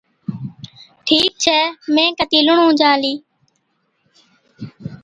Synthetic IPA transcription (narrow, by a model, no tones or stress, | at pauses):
ʈʰiːk̚t͡ʃʰɛːmẽːkət̪iːlʊɳũːd͡ʒãːliː